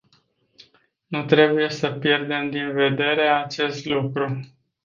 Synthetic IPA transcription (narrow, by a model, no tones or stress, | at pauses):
nut̪ɾe̞buje̞səpje̞rd̪e̞md̪inve̞d̪e̞ɾe̞at͡ʃe̞st̪lukɾu